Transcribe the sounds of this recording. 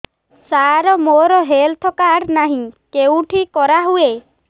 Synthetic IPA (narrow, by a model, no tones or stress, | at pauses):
saɾɔmoɾɔɦelt̪ʰɔkaɽnaɦĩkew̃ʈʰikɔɾaɦue